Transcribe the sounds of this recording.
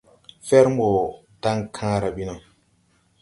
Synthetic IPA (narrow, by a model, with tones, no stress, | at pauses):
fɛ˦ɾmo˨ | ta˦ŋkʰãː˦ɾa˨bi˦no˨